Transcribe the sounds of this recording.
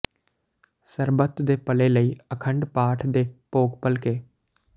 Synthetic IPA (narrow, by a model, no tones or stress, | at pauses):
səɾbət̪d̪eːpəleːləiːəkʰəɳɖpaːʈʰd̪eːpoːkpəlkeː